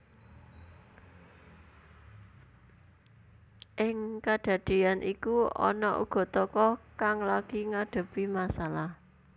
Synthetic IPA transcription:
ʔɪŋkaɖ̥ä̤ɖ̪̥i̤anʔikuɔ̰nɔʔṵɡ̥ɔ̤t̪ɔkɔkaŋlaɡ̥i̤ŋaɖ̪̥ə̤pimasalah

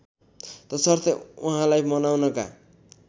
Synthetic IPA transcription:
t̪ʌsʌrt̪ʌuɦãlajmʌnawnʌka̰

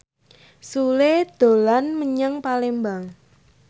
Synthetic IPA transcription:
suled̪̥o̤lanməɲəŋpalembaŋ

